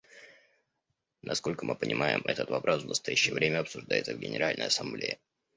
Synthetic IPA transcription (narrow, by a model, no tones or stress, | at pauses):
nʔɐsko̞lʲkəmɨpənʲʔɪmʔajɪ̰mɛt̪ət̪vɐpɾʔo̞svnəst̪ɐjæɕːɪjəvɾʲemʲəɐpsʊʐd̪ajɪt̪səvɡʲɪ̰nʲɪɾalʲnə̰jɐsɐmblʲejɪ